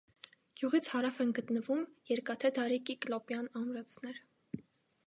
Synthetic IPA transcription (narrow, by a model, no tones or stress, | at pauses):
ɡ̥juʁit͡sʰhɑɾɑfɛnɡət̪nəvumjɛɾkɑt̪ʰɛd̪ɑɾikiklɔpjɑnɑmɾɑt͡sʰnɛɾ